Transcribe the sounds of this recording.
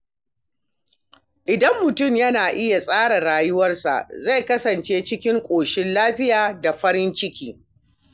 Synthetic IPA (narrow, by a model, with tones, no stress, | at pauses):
ʔɪ˨dɐ˦mːʊ˨tʊ˦˨mjɐ˦naː˨ʔɪ˦ja˨sʼaː˦ɽa˨ɽaː˨jʊ˦wɐ˦rsa̰˨ʔza˦˨jkɐ˦sɐ˨nt͡ʃeː˦t͡ʃɪ˦kʲɪ˦ŋkʷʼoː˨ʃɪ˦nlaː˦ɸɪ˦jaː˨da˨ɸɐ˦ɾɪ˦nt͡ʃɪ˦kʲiː˦